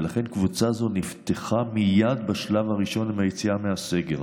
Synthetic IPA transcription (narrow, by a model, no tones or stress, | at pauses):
laχe̞nkvut͡sazo̞nift̪eχamijad̪baʃlavaʁiʃo̞nimajet͡siamease̞ɡe̞l